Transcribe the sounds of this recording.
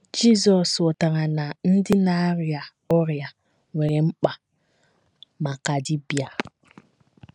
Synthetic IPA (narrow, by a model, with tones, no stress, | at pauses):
d͡ʒi˦zɔ˨so˨ta˨ŋa˨na˨n̩˦dɪ˦na˦ɾi˨a˨ | o˦ɾi˨a˨ | we˨ɾe˨m̩˦k͡pa˨ | ma˨ka˨di˦bi˨a˨